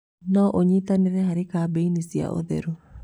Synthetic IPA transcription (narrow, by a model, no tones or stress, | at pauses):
nɔʔoɲit̪anɪðɛhaɾɪkabeinisia̰ʔo̰ðḛɾo